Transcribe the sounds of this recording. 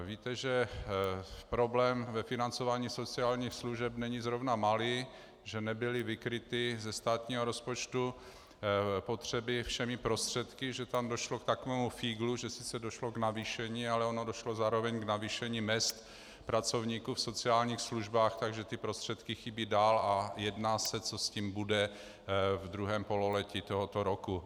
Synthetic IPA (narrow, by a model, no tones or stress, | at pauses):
viːt̪ɛʒɛ | pɾo̞blɛːmvɛfɪnant͡so̞vaːɲiːso̞t͡sɪaːlɲiːxsluʒɛpnɛɲizɾo̞vnamali | ʒɛnɛbɪlɪvɪkɾɪt̪ɪzɛst̪aːt̪ɲiːɦoɾo̞spot͡ʃt̪u | po̞t̪r̝̥ɛbɪfʃɛmɪpɾo̞st̪r̝̥ɛt̪kɪʒɛt̪amdo̞ʃlokt̪akovɛːmufiːɡluʒɛsɪ̥t͡sɛdo̞ʃloɡnaviːʃɛɲiːalɛo̞nodo̞ʃlozaːɾovɛɲɡnaviːʃɛɲiːmɛst̪ | pɾat͡sovɲiːkuːfso̞t͡sɪaːlɲiːxsluʒbaːxt̪aɡʒɛt̪ɪpɾost̪r̥ɛt̪kɪxibiːdaːlajɛdnaːsɛt͡so̞sciːmbudɛ | vd̪ɾuɦɛːmpo̞lolɛcit̪oɦot̪oɾoku